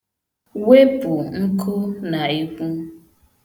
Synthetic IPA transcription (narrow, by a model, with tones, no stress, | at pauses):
we˦pʊ˨ŋ̩˦kʰʊ˦na˨i˦kʷu˦